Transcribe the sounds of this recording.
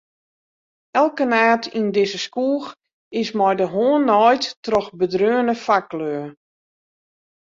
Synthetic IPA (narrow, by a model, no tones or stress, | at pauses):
ɛlˠkənaːtʰindɪzəskuːx | ɪsmɔjdəɦoənːɔjtːrɔxbədrøːənəfakløə